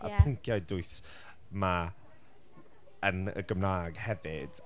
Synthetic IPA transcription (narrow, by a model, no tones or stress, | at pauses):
ə̰pʰʊŋkʰjajdʊɨs | ma | ənə̰ɡəmnaːɡhɛvɪd̥